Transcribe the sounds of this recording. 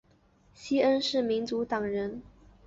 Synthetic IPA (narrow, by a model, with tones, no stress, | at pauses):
ɕi˥ə˥nʂɻ̩˥˩mi˧˥nt͡su˧˥t̪ɑ˨˩ŋɻə˧˥n